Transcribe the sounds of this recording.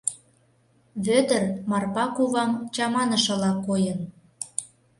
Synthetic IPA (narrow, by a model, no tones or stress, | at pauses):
βød̪ə̆rmɑrpɑkuβɑmt͡ɕɑmɑnə̆ʃɤ̆lɑkːojən